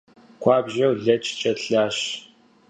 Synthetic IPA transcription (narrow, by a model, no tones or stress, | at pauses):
kʷʰɑːbʒɐwɮɐt͡ʃʰʼt͡ʃʼɐɬaːʃ